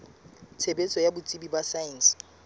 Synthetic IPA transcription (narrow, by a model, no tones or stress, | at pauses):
t͡sʰebet͡sʼɔjabʊt͡sʼibibasains